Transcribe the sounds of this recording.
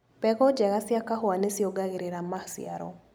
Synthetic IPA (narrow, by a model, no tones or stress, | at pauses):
pɛɣɔd͡ʒɛɣasjakaɦwanesjɔɡaɣeɾeɾamasḭa̰ɾɔ̰